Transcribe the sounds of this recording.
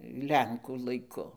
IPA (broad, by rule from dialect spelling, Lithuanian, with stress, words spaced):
ˈlʲɛŋkuː lˠɐɪˈkʊ